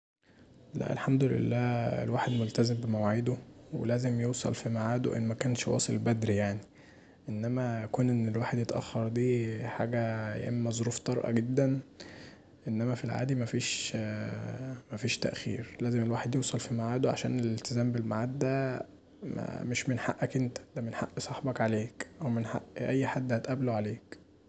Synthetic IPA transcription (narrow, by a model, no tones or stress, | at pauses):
læ̰ʔḛlħamd̪olḛlːæːḛlwaːħed̪molt̪æzembemæwaʕed̪owḛlæːzemjewsˤɑ̰lfimaʕaːd̪oʔḛnːmækæːnʃwɑ̰ːsˤelbæd̪ɾijaʕni | ʔenːæmækuːnʔenːelwaːħed̪jet̪ʔæ̰xːɑɾˤd̪iːħaːɡæj̰ʔemːæzˤoɾuːft̪ˤɑɾˤʔɑ̰ɡed̪ːæn | ʔenːæmæfilʕa̰ːd̪imæfiːʃ | mæfiːʃt̪æ̰ʔxḭːɾlæːzemelwaːħed̪jewsˤɑlfimaʕaːd̪oʕa̰ʃæ̰ːnelelt̪ezæːmbelmaʕaːt̪̚d̪æ | mæ̰meʃmenħa̰ʔːækʔent̪æ̥d̪æmenħa̰ʔːsˤɑħbɑkʕaleːkʔæwmenħa̰ʔʔæjːħad̪ːhæt̪ʔæbloʕaleːk